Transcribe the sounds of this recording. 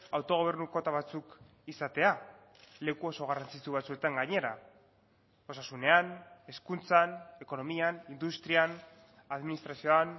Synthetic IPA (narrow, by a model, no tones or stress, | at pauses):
awt̪o̞ɣ̞o̞β̞e̞ɾnuko̞t̪aβat͡suk | isat̪e̞a | le̞kuo̞so̞ɣ̞arant͡sit͡suβ̞at͡sue̞t̪aŋɡaɲe̞ɾa | o̞sasune̞ane̞skunt͡sane̞ko̞no̞mianind̪ust̪ɾian | aðminist̪ɾasio̞an